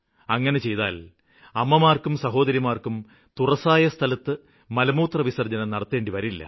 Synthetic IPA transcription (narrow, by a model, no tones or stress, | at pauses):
ɐŋːɐnet͡ɕe̞jt̪a̰ːl | ɐmːɐmaːrkumsɐɦo̞ːd̪ɐɾjimaːrkum | t̪urɐsaːjɐst̪ʰɐlɐt̪ːɨ | mɐlɐmuːt̪rɐʋisɐrd͡ʑɐnɐnɐɽɐt̪ːe̞ːɳɖiʋɐɾilːɐ̰